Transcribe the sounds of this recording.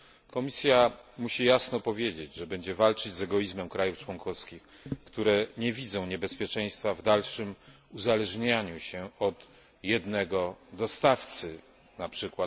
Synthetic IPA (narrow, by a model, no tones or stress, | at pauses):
kɔmʲisʲjamuɕijasnɔpɔvʲjed͡ʑed͡ʑʐɛbɛɲd͡ʑɛvalt͡ʂɘd͡ʑzɛɡɔjizmɛmkɾajuft͡ʂwɔŋkɔskʲix | kt̪uɾɛɲɛvʲid̪zɔ̃w̃ɲɛbɛspʲjɛt͡ʂɛ̃j̃st̪favd̪alʂɘm | uzalɛʐɲaɲuɕɛɔt̪ | jɛd̪nɛɡɔd̪ɔst̪aft̪sɘ | napʂɘkwa